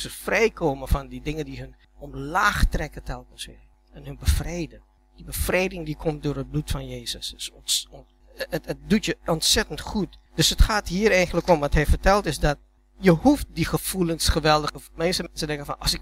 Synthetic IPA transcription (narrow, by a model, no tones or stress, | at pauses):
səfrɛjkʰoːməfɔndidɪŋədihən | ɔmlaːxtrɛkətʰɛlˠkəsʋɪː | ɛnhənbəfreːdən | d̥ibəfrejdɪŋdikʰɔmt̚doːrɦət̚blutfɔnjeːzəssns | əət̚dutjəɔntsɛtəntxut̚d̥øsətxaːthiːəɾɛjxənləkɔmʋɔtɦɛjfərtɛlˠtɪsdɔt̚ | jəhuft̚dixəfulənsχəʋɛlˠdəəmɛnsəmɛnsədɛ̃ŋkənfɔnɔ̰sɪk